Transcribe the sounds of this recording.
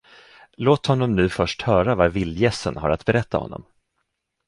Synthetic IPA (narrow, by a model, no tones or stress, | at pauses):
loːt̪hɔnːɔmnʉ̟ːfœʂʈhœːɾavaɾvɪlːjɛsənɦa̰ɾat̪bɛɾɛt̪ːa̰hɔ̰nːɔ̰m